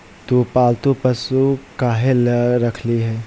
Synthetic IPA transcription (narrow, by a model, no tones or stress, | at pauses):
t̪oːpaːlt̪opəsukaːɦeləɾɐkʰliɦɛː